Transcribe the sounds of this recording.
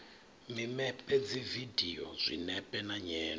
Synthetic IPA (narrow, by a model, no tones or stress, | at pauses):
mimɛpʼɛd͡zividʱiɔ̰zʷḭnɛpʼɛnaɲɛːn